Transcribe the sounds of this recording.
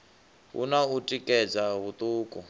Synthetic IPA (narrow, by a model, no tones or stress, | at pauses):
ɦṵnautʼikʼɛd͡zaβut̪ʼuːkʼɔ